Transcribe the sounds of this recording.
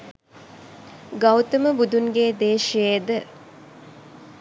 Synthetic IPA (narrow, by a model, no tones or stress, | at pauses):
ɡawt̪əməbud̪unɡeːd̪eːʃijed̪ə